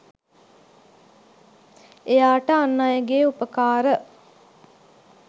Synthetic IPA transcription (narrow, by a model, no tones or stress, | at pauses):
ejaːʈəanːajəɡeːupəkaːɾə